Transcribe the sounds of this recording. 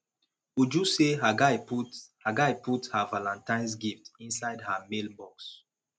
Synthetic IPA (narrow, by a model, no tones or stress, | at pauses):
ud͡ʒuseɦaɡaɪpuhaɡaɪputhavalãntãɪ̃ns̬ɡiftĩnsaɪdhamelbɔks